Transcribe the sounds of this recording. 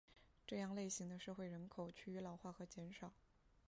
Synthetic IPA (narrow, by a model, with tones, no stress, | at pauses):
ʈ͡ʂɤ˥˧jɑ˥˧ŋle˥˩ɪɕi˧˥ŋd̪ə˧ʂɤ˥˧xwe˥˩ɪɻə˧˥nkʰo˨˩ʊt͡ɕʰy˥˩y˧˥lɑ˧˥ʊxwa˥˩xɤ˧˥t͡ɕjɛ˧˥nʂɑ˨˩˦ʊ